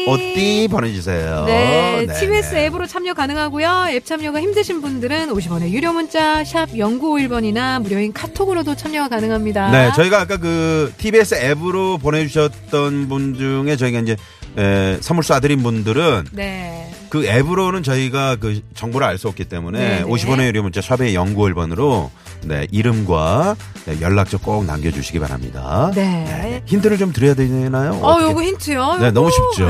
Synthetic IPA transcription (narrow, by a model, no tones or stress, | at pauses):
ʌt͈ipone̞d͡ʑusʰe̞̰jo̰ne̞tʰibies͈ɯe̞bɯɾot͡ɕʰamɲʌkanɯŋɦaɡojoep̚t͡ɕʰamɲʌɡaçimdɯɕʰinbundɯɾɯnoɕ̬ʰibʌnejuɾjomunt͡ɕ͈aɕʰab̚jʌŋɡuoiɭbʌɲinamuɾjʌinkʰatʰoɡɯɾodot͡ɕʰamɲʌɡakanɯŋɦamɲidane̞t͡ɕʌiɡaːk͈ak̬ɯtʰibies͈ɯe̞bɯɾopone̞d͡ʑuɕʰʌt̚t͈ʌnbund͡ʑuŋe̞t͡ɕʌiɡaind͡ʑe̞ | esʰamuɭs͈uadɯɾinbundɯɾɯnne | kɯe̞bɯɾonɯnt͡ɕʌiɡakɯt͡ɕʌŋboɾɯɭaɭs͈uok͈̚it͈e̞mune̞oɕʰibʌneuɾimut͡ɕasʰabeejʌŋɡuʌɭbʌnɯɾo | ne̞̰ʔiɾɯmɡwa̰ | nḛjʌɭːak̚t͡ɕ͈ʌk̚k͈oŋna̰mɡjʌd͡ʑuɕʰiɡipa̰ɾa̰mɲḭda̰nene̞̰çindɯɾɯɭt͡ɕomtɯɾʌjadweenajojoɡɯintʰɯjone̞nʌmuɕʰip̚t͡ɕ͈o